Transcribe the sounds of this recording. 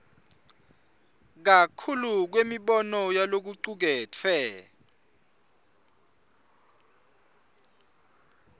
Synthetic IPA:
k̬akʰuluk̬wemiɓɔnɔjalok̬uǀuk̬ɛːt͡fʰɛ

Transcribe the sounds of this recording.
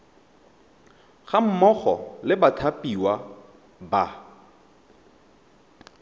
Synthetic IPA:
ɣam̩mɔχɔ̰lɪbatʰapʼiwa | ba

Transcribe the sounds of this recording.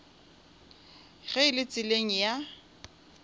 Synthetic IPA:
ɣɛɪlɪt͡sʼɪleŋ̩ja

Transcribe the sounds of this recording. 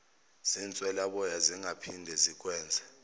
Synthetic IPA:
z̥int͡sʼwɛlaɓɔjaziŋapʰindʱɛzik̬ʼwɛːnd͡zʱa

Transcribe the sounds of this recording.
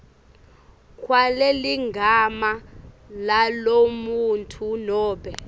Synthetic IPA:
kʰwaleliŋɡʱama | lalomuntʰunɔːɓɛ

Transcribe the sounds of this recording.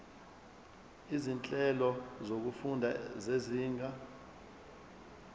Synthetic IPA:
izint͡ɬʼɛlɔzok̬ufundʱazeziːŋɡʱa

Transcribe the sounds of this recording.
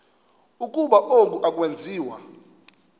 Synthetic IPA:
ukʼuɓaʔok̬ʼuʔak̬ʼwend͡zʱiːwa

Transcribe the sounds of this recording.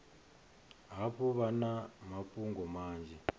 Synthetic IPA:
ɦaβuβanamapʼuŋɡɔmaːnd͡ʒʱɛ

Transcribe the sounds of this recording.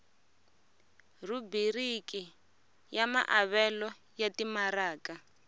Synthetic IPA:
rubiriki | jama̰ʔaβɛlɔ | jatimaɾaːka

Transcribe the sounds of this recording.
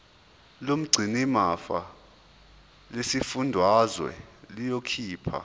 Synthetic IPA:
lom̩ɡ͡ǀʱinimafa | lesifundʱwazwɛ̰lijokʰiːpʰa̰

